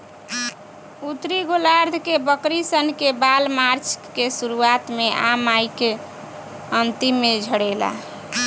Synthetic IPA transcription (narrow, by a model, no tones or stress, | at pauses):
ut̪ɾiɡolaɾd̪ʱkebəkɾisənkebalmaɾt͡ʃʰkesuɾuat̪meʔamajke | ənt̪imːed͡ʒʱəɽɛla̰